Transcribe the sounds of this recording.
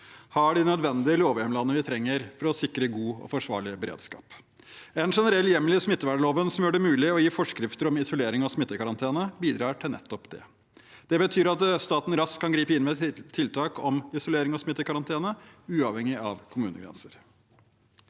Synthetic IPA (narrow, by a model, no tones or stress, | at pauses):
hɑɖɪnœd̪ʋɛnd̪ɪəloːʋjɛmlɑnːəʋɪt̪ʰɾɛŋːəɾfɔɾɔsɪkːɾəɡuːɔ̰fɔʂʋɑ̰ːɭɪbəɾḛːd̪skɑ̰ːp | ɛnʂɛnəɾɛlːjɛmlɪsmɪt̪ːəʋæːɖəɭoːʋənsɔmjøːɖɛmʉːlɪɔjiːfɔʂkɾɪft̪əɾɔmɪsɔleːɾɪŋɑsmɪt̪ːəkɑɾɑnt̪ʰeːnəbiːd̪ɾɑːʈʰɪlnɛ̰t̪ːɔpd̪ɛ̰ | d̪̥ɛbət̪ʰyːɾɑt̪st̪ɑːt̪n̩ɾɑskkʰːɑnɡɾiːpəɪnmɛt̪ʰːɪlt̪ʰɑːkʰɔmɪsɔleːɾɪŋɔsmɪt̪ːəkɑɾɑnt̪ʰeːnəʉːɑʋhɛŋɪɑʋkʰʊmʉːnə̰ɡɾɛ̰nsəɾ